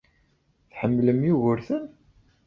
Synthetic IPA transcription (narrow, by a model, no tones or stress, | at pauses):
θħəmːləmjuɣəɾθən